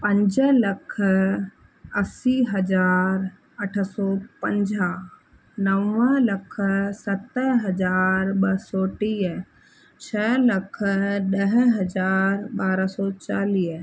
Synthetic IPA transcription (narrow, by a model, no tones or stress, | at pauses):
pə̃ɲd͡ʒələkʰ | əsiɦɐd͡ʒaːɾ | əʈʰsɔːpə̃ɲd͡ʒa | nəʋə̃lɐkʰsɐt̪ːəɦɐd͡ʒaːɾbɐsɔːʈi | t͡ʃʰɛləkʰɗəɦɦɐd͡ʒaːɾbaːɾasɔːt͡ʃaːliː